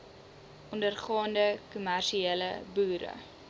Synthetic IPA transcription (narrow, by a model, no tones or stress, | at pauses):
ʔɔndərχɑːndəkumærʃieːlə̰buːɾə̰